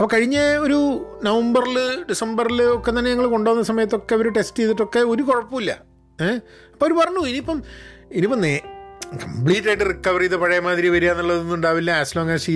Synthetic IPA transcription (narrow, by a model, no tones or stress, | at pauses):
ɐpːokɐɻiɲːɐo̞ɾunɐʋɐmbɐrilɨɖisɐmbɐrilɨokːe̞t̪ːɐnːeɐŋːɐɭko̞ɳɖoːʋunːɐsɐmɐjɐt̪̬ːo̞kːe̞ʋɐɾuʈestɨeðiʈːo̞kːe̞o̞ɾukoɻɐpːuilːɐ̰ | ɐpːooɾupɐrɐɲːuiniipːɐm | inipːɐmnekɐmpɭiːʈːaːjʈːɨrikːɐʋɐriðɨpɐɻɐjɐmaːðɾiʋɐɾujaːnːɐɭːɐðenːuɳɖaːʋilːɐaːsloːŋːaːsi